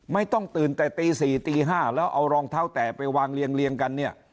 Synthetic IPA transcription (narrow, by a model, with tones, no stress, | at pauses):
ma˥˩jt̪ɔ˥˩ŋt̪ɯː˨˩nt̪ɛː˨˩t̪iː˧siː˨˩t̪iː˧ɦaː˥˩lɛː˦˥wʔa˧wɾɔː˧ŋt̪ʰaː˦˥wt̪ɛː˨˩pa˧jwaː˧ŋli˧əŋli˧əŋka˧nːi˥˩ɐ